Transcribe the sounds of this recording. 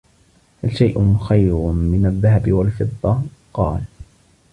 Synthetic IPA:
halʃajʔʊxajɾʊmɪnaðːahabɪwalfɨðˤːɑqɑ̰ːl

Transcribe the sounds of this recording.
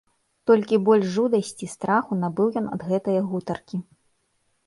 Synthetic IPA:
t̪ɔlʲkʲibɔlʲʂʐud̪ɐsʲt͡sʲist̪ɾaxunabɨwjɔnɐ̰d̪ɣɛt̪ɐjɐɣut̪ɐrkʲi

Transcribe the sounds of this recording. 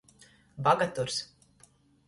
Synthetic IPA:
baɡat̪uɾs

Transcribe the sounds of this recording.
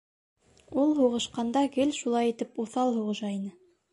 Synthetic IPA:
ulˠɦuʁɤ̆ʃqɑnd̪ɑɡɘlʲʃulˠɑjit̪ɘpuθɑlˠhuʁɤ̆ʃɑinɘ

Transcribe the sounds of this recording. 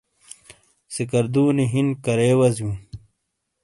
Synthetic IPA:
sikɐɾd̪uːniɦinkɐɾeːwɐzjũː

